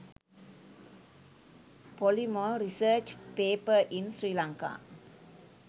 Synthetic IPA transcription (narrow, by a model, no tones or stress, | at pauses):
polimoɾisəːt͡ʃpeːpəʔinsɾiːlãŋka̰